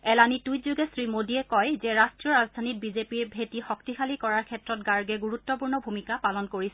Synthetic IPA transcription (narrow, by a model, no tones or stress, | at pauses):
ɛlanitujzuɡɛsɹimodiɛkɔjzɛɹastɹiɔɹazd̪ʱanit̚bizepiɹbʱetixɔk̚tixʰalikɔɹaɹkʰɛtɹɔtɡaɹɡɛɡuɹutːɔpuɹnɔbʱumikapalɔnkoɹisɛ